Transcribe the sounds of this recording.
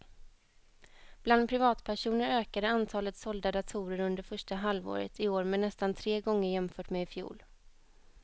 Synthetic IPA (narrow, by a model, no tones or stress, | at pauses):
b̥land̪pʰɾɪvɑːt̪pʰæʂuːnəɾøːkad̪əant̪ʰɑːlət̪sɔld̪ad̪at̪ʰuːɾəɾɵnd̪əɾfœʂʈaɦalvo̰ːɾə̰t̪ɪoːɾmɛnɛst̪ant̪ʰɾeːɡɔŋːəɾjɛmfœːʈmeːɪfjṵːl